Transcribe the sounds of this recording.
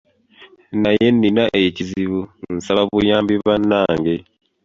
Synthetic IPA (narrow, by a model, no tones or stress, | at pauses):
najenːinaʔeciziβun̩saβaβujaːmbiβanaːŋɡe